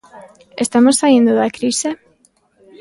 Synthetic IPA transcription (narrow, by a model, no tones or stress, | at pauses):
est̪amossaind̪oðakɾise